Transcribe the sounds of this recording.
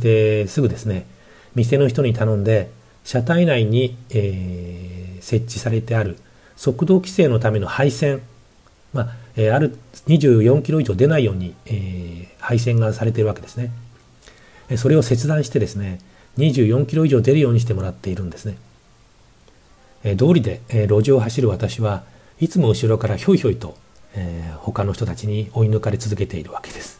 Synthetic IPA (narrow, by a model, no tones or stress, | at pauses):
d̪esɨɡɯ̟d̪e̞sɨne̞ | mʲis̬e̞no̞çi̥t̪o̞ɲ̟it̪anõ̞nd̪e̞ | ɕat̪ainaiɲ̟iː | se̞t͡ɕːisaɾe̞t̪e̞aɾɯ̟ | so̞kɯ̟d̪o̞ːkʲi̥se̞ːno̞t̪ame̞no̞haisẽ̞ŋ | maeaɾɯ̟ɲ̟iʑɨːjõ̞ŋkʲiɾo̞iʑo̞ːd̪e̞naijo̞ːɲ̟iehais̬ẽ̞ŋɡasaɾe̞t̪e̞iɾɯβake̞d̪e̞sɨne̞ | so̞ɾe̞o̞se̞t͡sɨd̪ãɰ̃ɕi̥t̪e̞d̪e̞sɨne̞ | ɲ̟iʑɨːjõ̞ŋkʲiɾo̞iʑo̞ːd̪e̞ɾɯjoːɲ̟iɕ̬t̪emo̞ɾat̪ːe̞iɾɯ̟̃nd̪e̞sɨne̞ | d̪o̞ːɾʲid̪e̞ɾo̞ʑioɦaɕiɾɯ̟βat̪aɕiβa | it͡sɨmo̞ɯ̟ɕiɾo̞kaɾaço̞ːiço̞ːit̪o̞ | eho̞kanoç̥it̪ot̪at͡ɕiɲ̟io̞inɯ̟kaɾet͡sɨzɨke̞t̪e̞iɾɯ̟βake̞̥d̪̥e̞sɨ̥